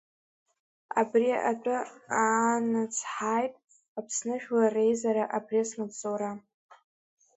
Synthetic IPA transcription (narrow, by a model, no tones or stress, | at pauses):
a̰briʔat͡pʷʼʊaːnat͡sʰħaːjtʼ | apʰsnɨʒᶣlarejzaɾaʔaprisnapt͡sʼowɾa